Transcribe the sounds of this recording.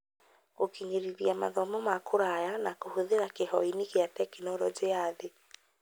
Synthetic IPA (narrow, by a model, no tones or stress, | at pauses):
okiɲeɾiðiama̰ðɔmɔmakʰoɾajanakohoðeɾakehɔinikeatɛkenɔɾɔd͡ʒeaðe